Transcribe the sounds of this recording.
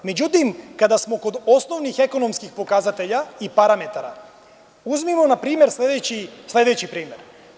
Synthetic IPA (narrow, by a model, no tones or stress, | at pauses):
me̞d͡ʑut̪imkad̪asmo̞ko̞d̪o̞sno̞ʋnixe̞ko̞no̞mskixpo̞kazat̪eʎaipaɾame̞t̪aɾa | uzmimo̞napɾiːmje̞ɾsled̪eislˠe̞d̪e̞t͡ɕipɾiːme̞ɾ